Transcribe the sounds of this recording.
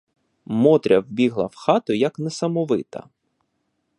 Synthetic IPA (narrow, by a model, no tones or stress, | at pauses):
mɔt̪ɾʲɐwbʲiɦlˠɐwxɑt̪ʊjɐknɛsɐmɔʋɪt̪ɐ̰